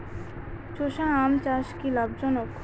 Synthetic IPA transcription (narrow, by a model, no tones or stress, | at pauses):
t͡ɕoʃaːmt͡ɕaʃkilab̚d͡ʑɔnok